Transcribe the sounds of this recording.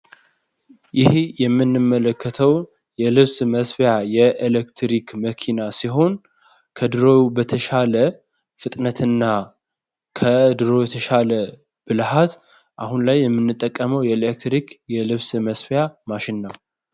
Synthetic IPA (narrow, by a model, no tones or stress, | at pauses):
jɪhjɛmːɨnːɨmːələkʰːət̪ʰəw | jɛlɨβsməsfjajɛʔelekt̪ʰɾikməkʰinasiɦo̞n | kʰəd̪ɨɾo̞jubət̪ʰəʃalə | fɨt̪ʼnət̪ʰɨnːa | kʰəd̪ɨɾo̞jɛt̪ʰəʃalə | b̥ɨlhat̪ | ʔahunlajːɛmːɨnːɨt̪ʼːəkʼːəməwjɛlek̚t̪ɾikjɛlɨβsməsfjamaʃɪnːaw